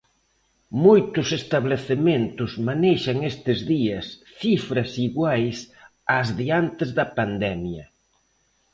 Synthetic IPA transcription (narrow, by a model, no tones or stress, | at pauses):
mojt̪ʊsest̪aβleθemẽnt̪ʊzmaneʃɐŋest̪ɪzðiɐsθifɾɐsiɣwajs | azðiant̪ɪzðɐpand̪ɛmjɐ